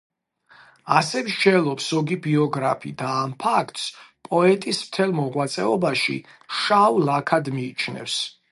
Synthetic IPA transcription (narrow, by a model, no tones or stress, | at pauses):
asɛmʒd͡ʒɛlˠɔpsɔɡibiɔɡɾapʰḭd̪aːmpʰakʰt̪ʼspʼɔɛt̪ʼismt̪ʰɛlˠmɔʁwat̪sʼɛɔbaʃḭ | ʃawlakʰad̪miːt͡ʃʰnɛ̰fs